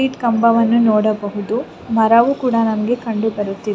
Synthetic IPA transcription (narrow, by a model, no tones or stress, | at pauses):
iːʈkɐmbɐʋɐnːunɔːɽɐbɐɦud̪u | mɐɾɐʋukuːɽɐnɐmɐɡe̞kɐɳɖubɐɾut̪ːide